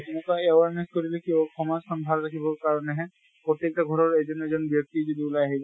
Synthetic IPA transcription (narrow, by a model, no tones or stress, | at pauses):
kunɔkaeaɹnɛskoɹilɛkiɔxʰɔmɔzxɔnd̪ʱalɹakʰibɔɹkaɹɔnɛɦɛ | pɹɔt̪jek̚taɡʱɔɹɔɹɛzɔnɛzɔnbjɔk̚tizodibulajaɦibɔ